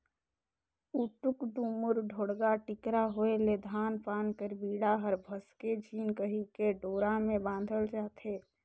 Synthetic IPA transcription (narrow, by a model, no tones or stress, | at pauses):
uʈʊkɖumʊɾɖʱoːɽɡaʈɪkɾaɦoeled̪ʱaːnpaːnkəɾbiːɽaɦəɾbʱəsked͡ʒʱiːnkəɦikeɖoːɾamẽbãːn̆d̪ʱəlt͡ʃaːt̪ʰeː